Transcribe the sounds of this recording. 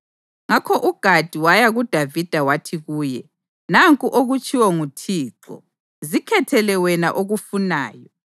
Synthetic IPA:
ŋakʰɔʔuɡ̥ʱad̥ʱiwajaɣud̥ʱavid̥ʱawatʰiɣuːjɛ | naŋkʼuʔoɣut͡ʃʼiwɔŋutʰiːǁɔ̰ | zikʰɛtʰɛlɛwɛna̰ʔoɣufunaːjɔ

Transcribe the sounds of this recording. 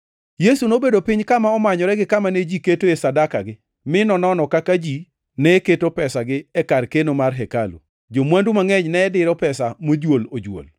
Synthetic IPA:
jesunobedopɪɲkamaɔmaɲɔɾɛɡɪkamaned͡ʒiketoesadakaɡɪ | mɪnɔnɔnɔkakad͡ʒi | nɛketopɛsaɡɪɛkarkenomarɦɛkalṵ | d͡ʒomwandumaŋɛɲnɛːdɪɾɔpɛsamod͡ʒwolod͡ʒwo̰l

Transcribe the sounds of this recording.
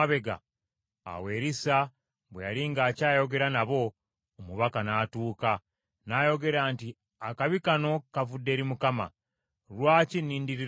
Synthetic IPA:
aβe̞ɡa̰ː | we̞ːɾisa | βwejaɾiŋɡaːcaːjo̞ɡe̞ɾanaβo̞ː | muβakanaːtuːka | najo̞ɡe̞ɾaːnti | akaβikano̞kavudːe̞ːɾimukama̰ | ɾwaːcinːiːndiɾi

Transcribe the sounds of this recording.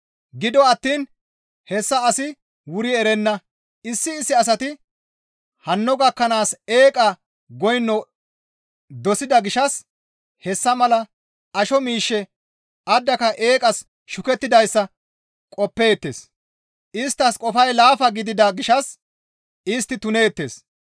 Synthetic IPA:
ɡɪd̪ɔɐt̪ːiːn | hɛsːɐːsɪ | wʊɾɪɛɾɛnːɐ | ɪsːɪːsːɪɐs̬ɐt̪ɪ | hɐnːɔɡɐkːɐnaːseːkʼɐ | ɡɔjnːɔ | d̪ɔsɪd̪ɐɡɪʃɐs | hɛsːɐmɐlɐ | ɐʃɔmiːʃːɛ | ɐd̪ːɐkɐʔe̞ːkʼɐs | ʃʊkɛt̪ːɪd̪ɐjsːɐ | kʼɔpːeːt̪ːḛːs | ʔɪst̪ːɐskʼɔfɐjlaːfɐɡɪd̪ɪd̪ɐɡɪʃɐs | ɪst̪ːɪt̪ʊne̞ːt̪ːe̞̰ːs

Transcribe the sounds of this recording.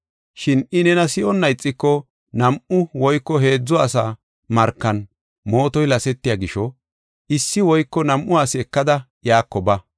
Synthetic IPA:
ʃɪnɪnɛnɐsɪʔɔnːɐjt͡sʼːɪkːɔ | nɐmʔʊwɔjkːɔɦe̞ːd͡zːɔɐsa | mɐɾkːɐn | mo̞ːt̪ɔjlɐsɛt̪ːɪjɐɡɪʃɔ | ʔɪsːɪwɔjkːɔnɐmʔʊaːsɪɛkːɐd̪ɐ | jaːkːɔbɐ

